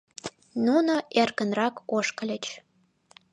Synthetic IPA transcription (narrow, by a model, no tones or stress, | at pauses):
nunoʔerkənrɑkoʃkə̆lʲə̆t͡ɕ